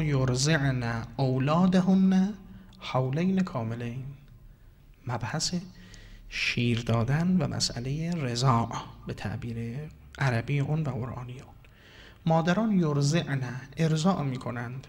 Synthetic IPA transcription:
joɾzeʕnæowlɒːd̪æɦonːæ | howlejnekʰɒːmelejn | mæb̥hæse | ʃiːɾd̪ɒːd̪ænvæ̰mʔæ̰sʔæ̰lejeɾezɒːʔbe̞t̪ʰæ̰ʔbiːɾe | ʔæɾæbiːʔuːnvæɣoɾʔɒ̰ːnijuːn | mɒːd̪æɾɒːnjoɾzeʔnæeɾzɒːʔmiːkʰo̞nænd̪̥

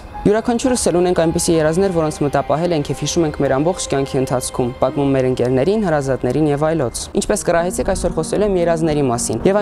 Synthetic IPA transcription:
juɾɑkʰɑnt͡ʃʰuɾəsɛlunɛŋkʰɑjnpisijɛɾɑznɛɾvɔɾɔnt͡sʰmət̪ɑpɑɦɛlɛŋkʰjɛvhiʃumɛŋkʰmɛɾɑmbɔχt͡ʃʰkʲjɑŋkʰiənt̪ʰɑt͡sʰkʰumpɑt̪mumːɛɾəŋkɛɾnɛɾinhɑɾɑzɑt̪nɛɾinjɛvɑjlɔt͡sʰint͡ʃʰpɛskərɑɦɛt͡sʰɛkʰɑjsɔɾχɔsɛluɛmjɛɾɑznɛɾimɑsinjɛv

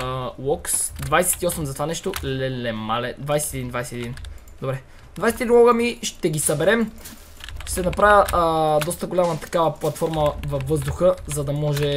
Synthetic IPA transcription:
lˠɔksd̪vajsɛ̥t̪iɔsɛmzɐt̪ovanɛʃt̪olɛlɛmalɛd̪vajsɛt̪ːd̪ind̪vajsɛt̪ɛd̪in | d̪obɾɛ | d̪vajsɛt̪id̪inwˠɔɡəmiʃt̪ɛɡisɐbɛɾɛm | ʃt̪ɛnɐpɾajʲəʔd̪ɔst̪əɡolʲamət̪ɐ̥kavɐplˠɐt̪fɔɾməvɐvːɤzd̪uxəzɐd̪ɐmɔʒɛ

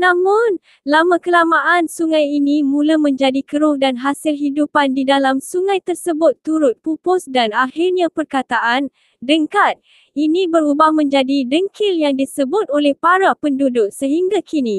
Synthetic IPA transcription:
nãmʊ̃n | lamãkəlamaʔansuŋãjinimũlamə̃ɲd͡ʒadikəɾʊh̚danɦasɪlɦidupandidalamsuŋãjt̪ərsəbʊt̪ːuɾʊt̪̚pupʊsdanahirɲãpərkat̪aʔan | dəŋkat̪̚ | inĩbəɾubahmə̃ɲd͡ʒadidəŋkɪljaŋdisəbʊt̪̚olɛhpaɾapəndudʊksəɦiŋɡakʰini

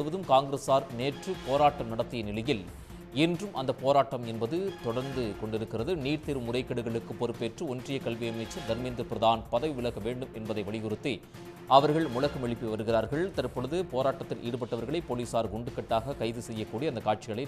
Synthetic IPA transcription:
ɯʋɐðɯmkaːŋɡɪɾeːsaːɾneːʈrɯpoːɾaːʈːɐmnɐɽɐt̪ːɪjɐnɪlɐjɪl | ɛndrɯmʔɐ̰nd̪ɐpːoːɾaːʈːɐmɛnbɐðɯt̪ɔɽɐɾnd̪ɯkɔɳɖɪɾɯkːɪrɐðɯniːɾt̪ɪɾɯmʊɽɐɪkːɐɽɯɣɐɭɯkːɯpːɔɾɯpːeːʈrɯɔndrɪjɐkɐlʋɪjɐmɐɪt͡ʃːɐɾd̪ɐɾmɪnd̪ɯpɪɾɐðaːnpɐðɐʋʋɪɭɐɣɐʋeːɳɖɯmɛnbɐðɐɪʋɐɭɪɣʊɾɯt̪ːi | ɐʋɐɾɣɐɭmʊlɐɣɐmɛɭɪpːiʋɐɾɯɣɪraːɾɣɐɭt̪ɐɾpːɔɻɯðɯpoːɾaːʈːɐt̪ːɪlʔḭːɽɯp̬ɐʈːɐʋɐɾɣɐɭɐɪpːoːliːsaːɾɡʊɳɖɯkːɐʈːaːɣɐkɐɪðɯsɛjːɐkːuːɽiɐnd̪ɐkːaːʈ̚t͡ʃɪɣɐɭɐɪ

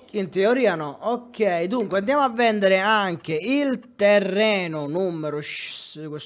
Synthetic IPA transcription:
int̪eoɾiːanɔokːɛjd̪uŋkweand̪jaːmoavːɛnd̪eɾeaŋk̟eilt̪ɛrːɛːnʊnumːeɾʊʃkwes

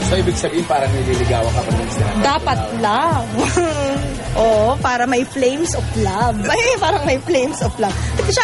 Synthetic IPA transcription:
soʔiːbɪɡ̚sɐbiːhɪnpaːɾɐŋnɐliːlɪɡa̰ːwɐkɐpɐŋnɐnsɪla̰d̪aːpɐt̪̚laŋ | ʔoːʔopaːɾɐmɐjflejmsʔɔflabɐjpaːɾɐŋmɐjflejmsɔflɐb̚t̪ɪkɐʃɐ

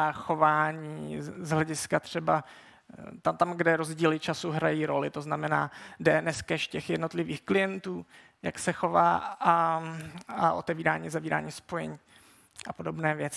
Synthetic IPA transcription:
axo̞vaːɲiːzɦlɛɟɪskat̪r̝̥ɛba | t̪at̪amɡdɛɾo̞zɟiːlɪt͡ʃasuɦɾajiːɾo̞lɪt̪oznamɛna̰ːdɛnɛskɛʃcɛxjɛdno̞t̪lɪviːxklɪjɛnt̪uː | ja̰ksɛxo̞va̰ːa | aʔo̞̰t̪ɛviːɾaːɲiːzaviːɾa̰ːɲiːspo̞jɛɲiː | ʔapo̞do̞bnɛːvjɛt͡sɪ

